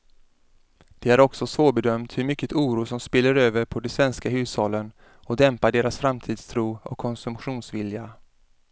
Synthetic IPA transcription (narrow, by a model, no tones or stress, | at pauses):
d̪̥ɛæɾɔksɔsvoːɾbɛd̪œmt̪hɵɾmʏkːət̪uːɾuːsɔmspɪlːəɾøːvəɾpʰɔd̪ɛsvɛnskaɦʉ̟ːsɑːlən | ɔd̪ɛmpaɖeːɾasfɾamt̪ʰiːd̪st̪ʰɾuːɔ̰kʰːɔnsɵmɧuːnsvɪlja